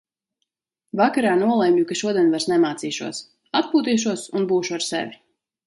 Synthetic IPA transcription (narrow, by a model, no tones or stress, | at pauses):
vakaɾaːnuɔlˠɛjmʲʎukaʃuɔd̪iɛnvaɾsnɛmaːt̪siːʃṵɔs | at̪̚puːt̪iːʃ̬uɔsunbuːʃuaɾsɛ̰vʲi